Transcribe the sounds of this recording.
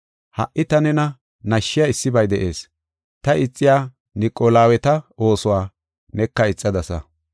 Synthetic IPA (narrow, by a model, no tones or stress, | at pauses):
hɐ̰ʔʔɪt̪ɐnɛnɐ | nɐʃːɪjaɪsːɪbɐjd̪ɛʔe̞ːs | t̪ɐɪt͡sʼːɪjaː | nɪkʼːolaːwɛt̪ɐo̞ːsʊwaː | nɛkːɐɪt͡sʼːɐd̪ɐsɐ̰